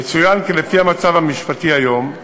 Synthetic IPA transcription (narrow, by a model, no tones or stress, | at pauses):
et͡sujankelefiamat͡savamiʃpat̪iajo̞m